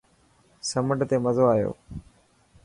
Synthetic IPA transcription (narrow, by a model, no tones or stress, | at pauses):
sɐməʈt̪eməzoaːjo̰ː